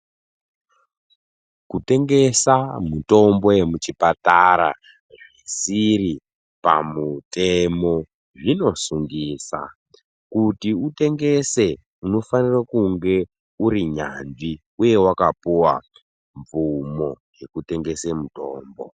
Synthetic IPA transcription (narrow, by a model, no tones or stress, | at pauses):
kute̞ŋɡe̞samuto̞mbo̞je̞mut͡ʃipataɾa̰ | ʐisiri | pa̰mute̞mo̞ | ʐino̞suŋɡiːsa̰ | kutiute̞ŋɡe̞se̞ | uno̞fanirakuŋɡe̞ | uɾiɲa̰nʐi | uje̞wakapuwa | ɱvumo̞ | je̞kute̞ŋɡe̞semuto̞ːmbo̞̰